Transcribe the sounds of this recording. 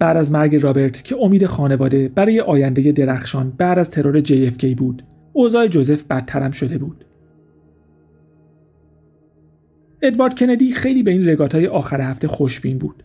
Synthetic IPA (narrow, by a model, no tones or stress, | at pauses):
b̥æd̪æzmæɾɟe̞ɾɒːbeɾt̪ʰcʰe̞o̞miːd̪e̞xɒːne̞vɒːd̪e̞b̥æɾɒːje̞ʔɒːjænd̪eje̞d̪e̞ɾæxʃɒːnbæd̪æzt̪ʰe̞ɾoɾe̞d͡ʒejefcʰejbuːd̪̥ | oːzɒːe̞d͡ʒoze̞fbæt̪ʰːæɾæmʃo̞d̪e̞buːd̪̥ | e̞d̪vɒːɾt̪̚cʰe̞ned̪iːxe̞jliːbeiːnre̞ɡɒːt̪ʰɒːje̞ʔɒːxæɾehæft̪e̞xo̞ʃb̥inbṵːd̪̥